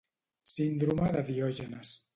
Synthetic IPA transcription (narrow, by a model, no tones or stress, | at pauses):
sind̪ɾumaðəðiɔʒənəs